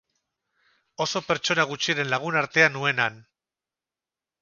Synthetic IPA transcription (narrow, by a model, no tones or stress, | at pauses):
o̞so̞pe̞ɾt͡ʃo̞naɣ̞ut͡ʃiaɾe̞nlaɣ̞unaɾt̪e̞anːue̞nan